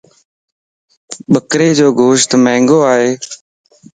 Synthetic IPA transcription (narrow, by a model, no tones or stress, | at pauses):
ɓəkɾeːd͡ʒoːɡʱoːʃt̪mɛ̃ːŋɡoːaːɦeː